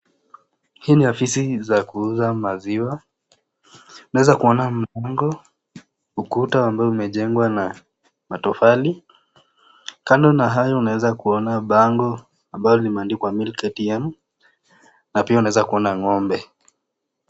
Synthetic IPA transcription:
hiːniafisizakuuzamaziwa | unawɛzakuɔnam̩laŋɡɔ | ukutaambaɔumɛʄɛŋɡwana | matɔfali | kandɔnaɦajɔunawɛzakuɔnaɓaŋɡɔ | ambajɔlimaːndikwamilkɛtɛm | napiaunaɛzakuɔnaŋɔmbɛ

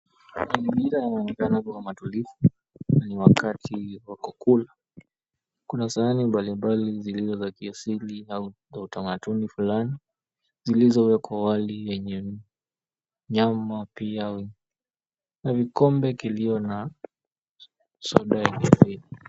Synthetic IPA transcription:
maziɡiɾajanaɔnɛkanakuwamatulifu | naniwakatʰiwakɔkula | kunasaanimbalimbalizilizɔzakiasiliau | zautamatunifulani | zilizɔwɛkʰwawalijɛɲɛ | ɲamapia | navikɔmbɛkilijɔna | sɔɗaɛnɛviɾi

